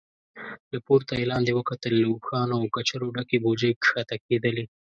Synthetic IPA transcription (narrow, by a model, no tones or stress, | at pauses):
lapoɾt̪ajelɑnd̪ewəkat̪əlːoubxɑnoawkat͡ʃaɾoɖakebod͡ʒəjkxat̪aked̪əle